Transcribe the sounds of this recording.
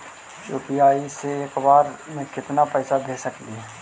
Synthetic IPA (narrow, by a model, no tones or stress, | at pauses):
t͡ʃoːpijaːiseeːkbaːɾmẽkɪt̪napɛːsad̪ʱeːsəkd̪iɦɛː